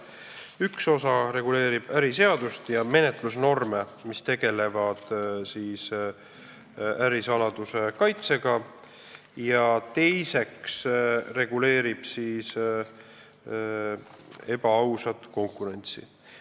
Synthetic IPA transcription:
ykso̞sɑɾe̞ɡ̥ule̞ːɾib̥æɾise̞ɑd̪ust̪jɑme̞net̪ˑlusno̞rme | mist̪e̞ɡ̥e̞le̞vɑd̪̥siːs | æɾisɑlɑd̪̥use̞kɑjt̪se̞ɡ̥ɑ | jɑt̪e̞jse̞ksre̞ɡ̥ule̞ːɾib̥siːs | e̞bɑɑwsɑt̪ko̞ŋkˑuɾe̞nʲt̪sḭ

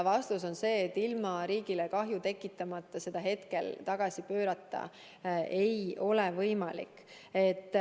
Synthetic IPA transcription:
vɑst̪uso̞nse̞ːt̪ːilmɑɾiːɡilekɑɦjut̪e̞kːˑit̪ːˑɑmɑt̪ˑːɑse̞d̪̥ɑɦe̞t̪ke̞lt̪ɑɡ̥ɑsipø̞ːɾɑt̪ːˑɑ̰ | ʔe̞jo̞levɤjmɑlḭk | e̞t̪ːˑ

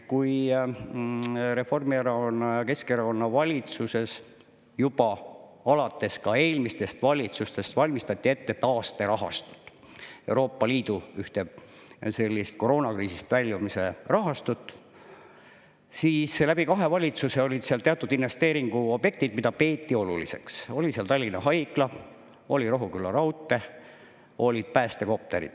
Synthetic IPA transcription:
kuj | ɾe̞fo̞rmieɾɑkonːɑjɑke̞skeɾɑko̞nːɑvɑlʲit̪suse̞s | jub̥ɑ | ɑlɑt̪ːˑe̞skɑe̞ːlmist̪e̞st̪vɑlʲit̪sust̪e̞st̪vɑlʲmist̪ɑt̪ʲːˑie̞t̪ːe̞t̪ɑːst̪e̞ɾɑɦɑ̰st̪u̥t̪ːˑ | e̞uwɾo̞ːpːˑɑliːd̪̥uyht̪e | se̞lʲːist̪̚ko̞ɾo̞ːnɑkriːsist̪vælʲːjumise̞rɑɦɑst̪ut̪ːˑ | siːslæb̥ikɑɦe̞vɑlʲit̪suse̞olʲid̪̥seɑlt̪e̞ɑt̪ːˑud̪̥inve̞st̪eːɾiŋɡ̥uo̞b̥je̞k̚t̪id̪mid̪ɑpe̞ːt̪ʲːio̞lṵlḭse̞̰kso̞lʲiseɑlt̪ɑlʲːinɑɦɑjklɑ | o̞lʲiɾo̞ɦukylːɑɾɑwt̪ːˑe̞ | o̞lʲid̪̥̚pæːst̪e̞ko̞p̚t̪e̞ɾḭd̪̥

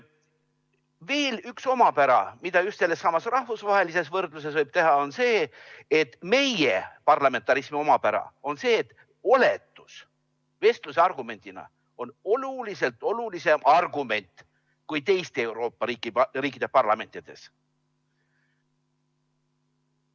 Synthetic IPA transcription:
ve̞ːlykso̞mɑpæɾɑ̰mid̪̥ɑjust̪se̞lːe̞sːɑmɑsrɑhvusvɑɦelise̞svɤrd̪lus̬e̞svɤjb̥̚t̪e̞ɦɑo̞nse̞ːet̪ːme̞jepɑrlɑme̞nt̪ːˑɑɾismio̞mɑpæɾɑ̰o̞nse̞ːt̪ːˑ | o̞le̞t̪ːˑus | ve̞st̪luseɑrɡ̥ume̞nʲd̪̥inɑ̰ | o̞no̞lulise̞lt̪ˑo̞lulise̞mɑrɡume̞nʲt̪ | kujt̪e̞jst̪ee̞wɾo̞ːpːˑɑɾiːkːˑiriːkːˑid̪e̞pɑrlɑme̞nt̪ˑid̪̥e̞̰s

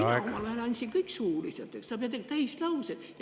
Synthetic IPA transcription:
kɑlɑelɑnʲsʲiŋkɤiksuːliset̪ːeksɑb̥iɑt̪ekt̪æist̪lɑuset̪j

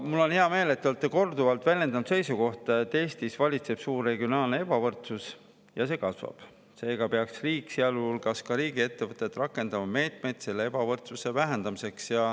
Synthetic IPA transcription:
mulːo̞nheɑme̞ːle̞t̪ːˑolt̪ːeko̞rd̪uvɑlt̪ˑvælʲje̞nd̪ɑnt̪se̞jsuko̞ht̪ˑt̪ːˑe̞ːst̪isvɑlʲit̪se̞b̥suːre̞ɡionɑːlneeb̥ɑvɤrt̪sus | jɑs̬e̞ːkɑsvɑ̰b̥ | se̞ːɡ̥ɑpeɑksriːkˑseɑlulɡ̥ɑskɑɾiːɡie̞t̪ːe̞vɤt̪ːˑe̞t̪ːˑrɑkːˑe̞nd̪ɑmɑme̞ːt̪me̞jd̪̥se̞lːee̞b̥ɑvɤrt̪suse̞væɦend̪ɑmise̞ksjɑ

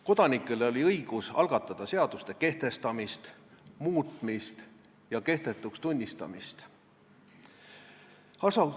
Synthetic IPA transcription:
ko̞d̪̥ɑnikˑːe̞le̞o̞lʲiɤjɡ̥usɑlɡ̥ɑt̪ːˑɑd̪̥ɑse̞ɑd̪̥ust̪e̞ke̞ht̪e̞st̪ɑmist̪muːt̪ˑmist̪ | jɑke̞ht̪e̞t̪ːˑukst̪unʲːist̪ɑ̰mist̪ | ɑsɑ

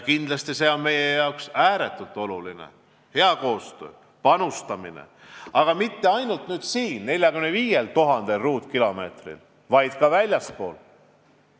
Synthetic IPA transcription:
kind̪lɑst̪ise̞ːo̞nme̞jejɑoksæːɾe̞t̪ːˑult̪ːˑo̞lulinḛ | he̞ɑko̞ːst̪ø̰ː | pɑnust̪ɑminḛ | ɑɡ̥ɑmit̪ːeɑjnult̪nyːd̪̥siːnne̞lʲjɑkymneviːje̞lt̪uɦɑnd̪̥elruːt̪kilo̞me̞ːt̪rḭl | vɑjd̪̥kɑvælʲjɑspo̞ːl

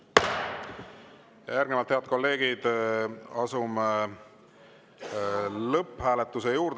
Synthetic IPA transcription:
jæɾɡ̥nevɑlt̪heɑd̪̚ko̞lːe̞ːɡ̥id̪̥ | ɑsum | lɤpːhæːlet̪ːˑusejuːɾd̪̥

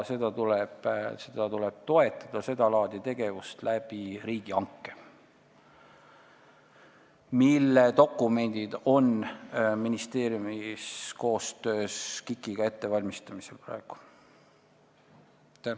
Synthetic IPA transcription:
se̞d̪ɑt̪uleb̥se̞d̪̥ɑt̪ule̞b̥̚t̪o̞e̞t̪ːˑɑ̥d̪̥ɑse̞d̪ɑlɑːd̪̥it̪e̞ɡ̥e̞vust̪læb̥iɾiːɡ̥iɑŋkːe | milːet̪o̞kːˑume̞nd̪̥id̪̥o̞nminist̪e̞ːɾjumisko̞ːst̪ø̞ːskikːˑiɡ̥ɑe̞t̪ːe̞vɑlʲmist̪ɑmiselprɑ̰e̞ɡ̥u̥ | t̪æ

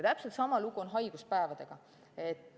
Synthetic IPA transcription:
t̪æpselt̪sɑmɑluɡ̥uo̞nɦɑjɡ̥uspæevɑd̪̥eɡ̥ɑ | et̪

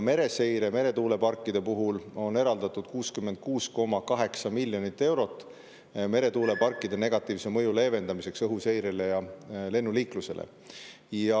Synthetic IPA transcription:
me̞ɾe̞se̞jɾeme̞ɾe̞t̪uːle̞pɑrkːˑid̪̥e̞puɦulo̞nːe̞ɾɑld̪̥ɑt̪ːud̪̥kuːskymːend̪̥̚kuːsko̞mɑkɑɦe̞ksɑmilʲjo̞nit̪ːe̞wɾo̞t̪ːˑ | me̞ɾe̞t̪uːle̞pɑrkːˑid̪̥e̞ne̞ɡ̥ɑt̪ːˑiːvse̞mɤjule̞ːve̞nd̪̥ɑmise̞ksɤɦuse̞jɾele̞jɑle̞nːuliːkluse̞̰lḛ | jɑ

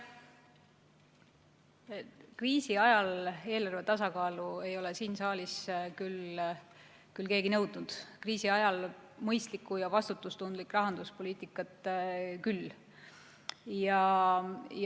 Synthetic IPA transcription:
kriːsiɑjɑle̞ːlɑrvet̪ɑsɑkɑːlue̞jo̞le̞siːnsɑːliskyl | kylke̞ːɡinɤwd̪nud̪̥kriːsiɑjɑlmɤjst̪likːˑujɑvɑst̪ut̪ːˑust̪und̪likːˑrɑɦɑnd̪uspo̞liːt̪ˑikːˑɑt̪ːˑkylː | jɑ | j

